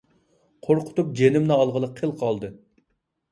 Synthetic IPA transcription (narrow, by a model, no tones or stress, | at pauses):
qʰoɾqʰʊ̥t̪up̚d͡ʒenɪmnɨɑlˠʁəlˠəqʰːelˠqʰɑlˠd̪ɨ